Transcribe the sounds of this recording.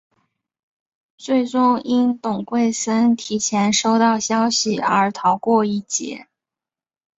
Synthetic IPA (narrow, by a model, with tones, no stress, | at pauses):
t͡swe˥˩ɪʈ͡ʂʊ˥ŋi˥nt̪ʊ˨˩ŋkwe˥˩ɪsə˥nt̪ʰi˨˩t͡ɕʰjɛ˧˥nʂo˥ʊt̪ɑ˥˩ʊɕjɑ˥ʊɕi˨ə˞˧˥t̪ʰɑ˧˥ʊkwɔ˥˧i˥˩t͡ɕjɛ̰˧˥˦